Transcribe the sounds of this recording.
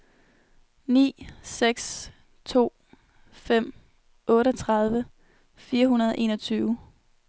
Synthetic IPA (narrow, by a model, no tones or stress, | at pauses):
nḭːseɡ̥s | t͡sʰo̝̰ː | fem̰ | ʔɔ̽ːɾəɒt͡sʰʁɑð̞ˠʋə | fiːɐɦunɐð̞ˠɒʔe̝̰ːnʌt͡sʰyːʊ